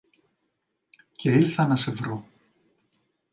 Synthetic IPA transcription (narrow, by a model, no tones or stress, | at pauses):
ce̞ilθɐnɐse̞vɾo